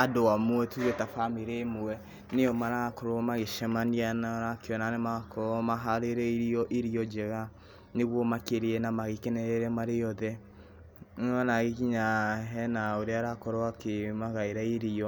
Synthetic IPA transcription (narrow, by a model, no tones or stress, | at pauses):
adowamwɛtuɣetafameɾemuɛ | neɔmaɾakɔɾomaɣeʃɛmanianaɾakeɔnanemakɔmaɦaɾeɾɛiɾiɔʔeɾiɔd͡ʒɛɣa | neɣwɔmakeɾeɛnamaɣekenɛɾeɾɛmaɾejɔðɛ | nɔnaɣekiɲaɦɛnaoɾeaɾakɔɾoakemaɣaeɾaiɾiɔ